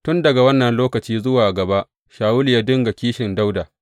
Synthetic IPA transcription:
tʊ˦ndɐ˨ɡa˨wɐ˦nːɐ˨nloː˦kɐ˨t͡ʃiː˦zʊ˦waː˨ɡɐ˨ba˦ʔ | ʃaː˨wʊ˦lɪ˨ja˦dʊ˦ŋɡa˨kʲiː˦ʃɪ˨nda˦wdaː˨

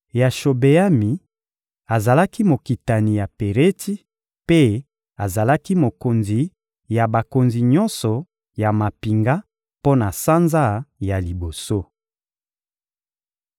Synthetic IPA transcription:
ja˨ʃo˨be˨a˦mi˨ | a˨za˨la˦ki˦mo˨ki˨ta˨ni˨ja˨pe˨ʁe˦ti˦ | pe˦ | a˨za˨la˦ki˦mo˨ko˨nzi˨ | ja˨ba˨ko˨nzi˨ɲɔ˦nsɔ˨ | ja˨ma˨pi˨ŋɡa˦ | po˦na˨sa˦nza˦ja˨li˨bo˨so˦

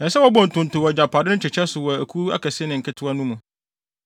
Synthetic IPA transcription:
nɛ̃˨sɛ˦wɔ˦bɔ̃˨n̩˨tʰʊ̃˨n˨tʊ˨wɔ˨d͡ʑa˨pʰaː˨dɪ˦nʊ̃˦t͡ɕʰɪ˨t͡ɕʰɛ˦sʊ˨wɔ˨æ˨kʰu˦a̰˦kʰɛ˨sɪ˦e˦nɪ̃˨ŋ̩˨kʰɪ˦tʰʊ˦a˦nũ˦mũ˨

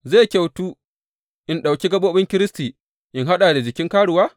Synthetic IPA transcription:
zeː˦˨kʲa˨wtuː˦ | ʔɪ˨nɗa˨wkʲi˦ɡɐ˦ɓoː˦ɓɪ˦ŋkʲɪ˦ɾɪ˦stiː˨ | ʔɪ˨nɦa˦ɗaː˨da˨d͡ʒɪ˨kʲɪ˦ŋkaː˦ɽʊ˨waː˦

